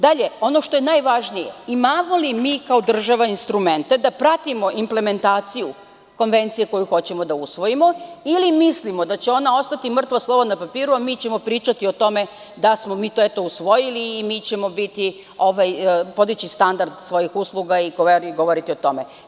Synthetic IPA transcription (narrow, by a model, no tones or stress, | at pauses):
d̪aʎe̞o̞no̞ʃt̪o̞jenajʋaʒnijḛimamolimiːkaod̪r̩ʒaʋainst̪ɾume̞nt̪e̞d̪apɾat̪imo̞ʔimple̞me̞nt̪aːt̪siju | ko̞nʋe̞nt̪sije̞ko̞juxo̞t͡ɕe̞mo̞d̪ausʋo̞jimo̞ilimislimod̪at͡ɕeo̞nao̞st̪at̪imr̩t̪ʋaslˠo̞βonapapiːɾuamiːt͡ɕe̞mo̞pɾiːt͡ʃat̪io̞t̪o̞me̞ | d̪asmo̞miːt̪o̞et̪o̞usʋo̞jiliːmiːt͡ɕe̞mo̞bit̪i | o̞ʋajpo̞d̪it͡ɕist̪and̪aɾd̪sʋo̞jixuslˠuɡaiɡoʋoɾiɡo̞ʋo̞ɾit̪io̞t̪o̞me